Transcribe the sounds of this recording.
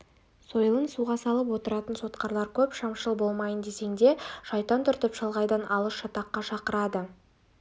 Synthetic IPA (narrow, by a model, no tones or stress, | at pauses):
so̞jəlˠənsuʁɑsɑlˠəp̬wo̞t̪əɾɑt̪ənso̞t̪qɑɾlˠɑɾkʲʰɵpʃɑmʃəlˠbo̞lˠmɑjənd̪e̞se̞ŋd̪e̞ʒ̥ɑjt̪ɑnt̪ʰʏɾt̪ɪpʃɑlˠʁɑjd̪ɑnʔɑlˠəsʃɑt̪ɑqːɑʃɑqəɾɑd̪ə